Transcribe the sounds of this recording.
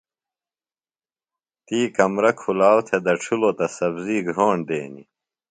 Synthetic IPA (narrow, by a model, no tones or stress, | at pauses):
t̪iːkɐmɾɐkʰulaːwt̪ʰed̪ɐʈ͡ʂʰulot̪ɐsɐbziːɡʱoːɳd̪eːnḭ